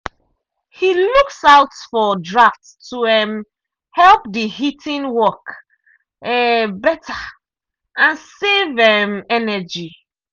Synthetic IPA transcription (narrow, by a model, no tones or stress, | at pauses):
hiluksaʊtfɔdɹaftstʰuɛm | hɛlp̚dihitʰĩnwɔk | ɛbɛta | ãnsevɛmɛnɛd͡ʒi